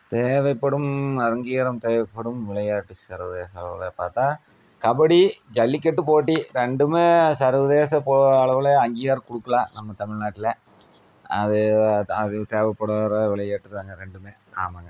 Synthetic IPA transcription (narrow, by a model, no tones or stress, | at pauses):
t̪eːʋɐɪpːɐɽɯmɐɾɐŋɡiːɾɐmt̪eːʋɐpːɐɽɯmʋɪɭɐjaːʈːɯsɐɾʋɐðeːsɐɭɐ̰ʋɪ̰lepaːɾt̪ãː | kɐbɐɽid͡ʒɐlːikːɛʈːɯpoːʈ̬ːiɾɛɳɖɯmeːsɐɾʋɐðeːs̬ɐpːɐɐɭɐʋɪleɐŋɡijɣaːɾkʊɽɯkːɐlãːnɐmːɐt̪ɐmɪɻnaːʈːɪlɐ | ɐðɯɐðɯt̪eːʋɐpːɐɽɐɾʋɪɭɐjaːʈːɯɾɯðaːŋɡɐɾɛɳɖɯmeː | a̰ːmɐŋɡɐ